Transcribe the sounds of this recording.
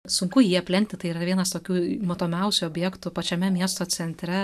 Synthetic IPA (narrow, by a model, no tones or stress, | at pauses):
sʊŋkʊjiːɐpʲlʲɛnʲt̪ʲɪt̪ɐɪiɾɐʋʲiɛnɐst̪oːkʲuːmoːt̪oːmʲɛʊsʲʊoːbʲjɛkt̪ʊpɐt͡ʃʲɛmʲɛmʲiɛst̪oːt͡sʲɛnʲt̪ʲɾʲɛ